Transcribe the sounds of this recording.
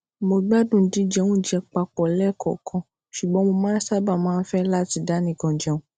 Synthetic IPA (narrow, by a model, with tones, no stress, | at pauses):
mo˧ɡ͡ba˦dũ˨˦dĩ˨˦d͡ʒɛ˧wũ˦d͡ʒɛ˧k͡pa˧k͡pɔ˨lɛ˦˨kʰɔ̰˨kʰɔ̃˧ | ʃu˨ɡ͡bɔ̃˧˦mo˧mãː˦sa˦ba˦˨mãː˦n̩˦fɛ˦la˦˨ti˧˦da˦nĩ˨ɡɔ̃˨d͡ʒɛ˧ũ˦